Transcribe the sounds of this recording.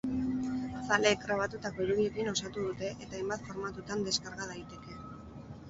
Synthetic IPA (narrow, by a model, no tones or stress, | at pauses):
sale̞ːkɡɾaβ̞at̪ut̪ako̞iɾuð̞ie̞kino̞sat̪uð̞ut̪e̞ʔet̪aejmbat̪fo̞ɾmat̪ut̪and̪e̞skaɾɣaðait̪e̞ke̞